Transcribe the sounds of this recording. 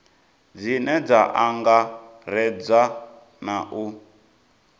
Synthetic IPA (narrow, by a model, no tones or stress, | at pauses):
d͡zinɛd͡zaʔaŋɡa | ɾɛd͡za | naʔu